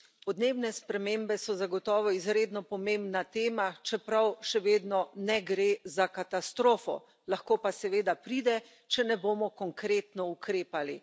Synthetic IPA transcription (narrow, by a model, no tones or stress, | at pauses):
pɔd̪neːbnɛspɾɛmembɛsɔzaɡɔt̪ɔːʋɔizɾeːd̪nɔpɔmembnat̪eːmat͡ʃɛpɾawʃɛʋeːd̪nɔnɛɡɾeːzakat̪ast̪ɾoːfɔ̰ | laxkoːpasɛʋeːd̪apɾiːd̪ɛ | t͡ʃɛnɛboːmɔkɔŋkɾeːt̪nɔukɾeːpali